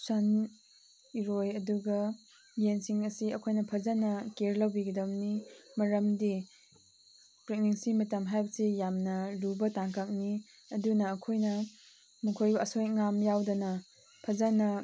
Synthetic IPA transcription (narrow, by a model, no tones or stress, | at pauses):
san | iɾojɐduɡɐ | jensiŋɐsiɐkʰojnɐpʰɐzanɐkeɾlɐwbiɡɐdɐmnimɐɾɐmdi | pɾik̚niŋsimɐtɐmɦajbɐsijamnɐlubɐtaŋkʰɐk̚ni | ɐdunɐːkʰojnɐ | mukʰojbɐɐsojŋamjawdɐnɐ | pʰɐzanɐ